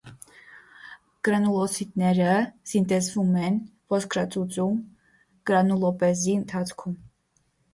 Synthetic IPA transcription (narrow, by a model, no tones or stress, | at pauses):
ɡ̥ɾɑnulɔsit̪nɛɾəsint̪ɛzvumɛnvɔskʰɾɑt͡sut͡sum | ɡ̥ɾɑnulɔpɛziənt̪ʰɑt͡sʰkʰum